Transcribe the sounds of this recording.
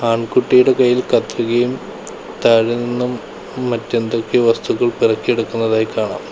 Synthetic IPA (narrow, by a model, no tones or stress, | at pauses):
aːɳkuʈːijuɽekɐjːilkɐt̪riɣɐjum | t̪ɐɻininːumː | ɐtːɐnd̪okːeʋɐst̪uɣɐɭpirɐkːieɽukːunːɐðaːjikaːɳa̰ːm